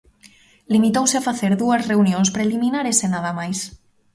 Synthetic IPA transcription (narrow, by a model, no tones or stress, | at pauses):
limit̪owseafaθeɾðuazreunjonspɾeliminaɾesenað̞amajs